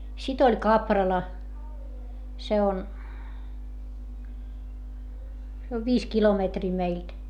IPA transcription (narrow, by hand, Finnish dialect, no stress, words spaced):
sit olʲ kɑprɑlɑ se on se oʋ ʋiːs kilometriː meilt